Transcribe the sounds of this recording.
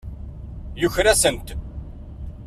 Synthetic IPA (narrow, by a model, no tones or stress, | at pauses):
jʊçɾæsənt̪